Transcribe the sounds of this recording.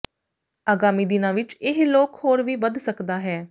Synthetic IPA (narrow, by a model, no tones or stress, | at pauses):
aːɡaːmiːd̪ɪnãːʋɪt͡ʃɪɦloːkhoːɾʋiːʋəd̪səkd̪aːɦɛː